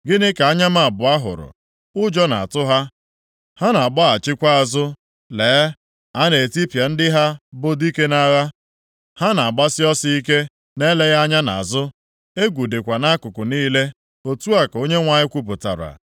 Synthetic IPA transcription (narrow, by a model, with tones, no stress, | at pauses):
ɡɪ˦nɪ˦ka˨a˦ɲa˦ma˨a˨bʊ˨a˦ɦʊ̰˨ɾʊ̰˨ | ʊ˦d͡ʒɔ˦na̰˨a̰˨tʊ˦ɦa˦ | ha˦na˨ɡ͡ba˦a˨t͡ʃɪ˦kʷa˦a˨zʊ˦ | leː˨˦ | a˦ne˨ti˦pja˨n̩˦dɪ˦ɦa˦bʊ˦di˦ke˦na˦ɣa˦ | ha˦na˨ɡ͡ba˦sɪ˦ɔ˦si˦i˦ke˦ | ne˦le˦ɣa˦ɲa˦na̰˨a˨zʊ˦ | e˦ɡʷu˨de˨kʷa˨na˦kʊ˨kʊ˨niː˦le˦ | o˦tu˦a˨ko˦ɲe˦ŋʷa˨ɲɪ˦kʷu˦p̬ʊ˨ta̰˨ɾa̰˨